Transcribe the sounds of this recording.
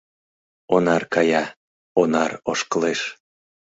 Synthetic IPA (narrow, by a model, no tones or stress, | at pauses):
onɑrkɑjɑ | onɑroʃkəleʃ